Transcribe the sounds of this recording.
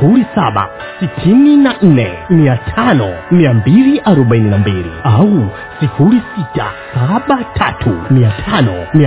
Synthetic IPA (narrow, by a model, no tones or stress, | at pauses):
uɾisaɓa̰ | sitʰininan̩nɛmiatʰanɔmiambiliʔaɾɔɓaininambiːɾḭawu | sifuɾisitʰa̰saɓatʰa̰tʰumiatʰanɔmia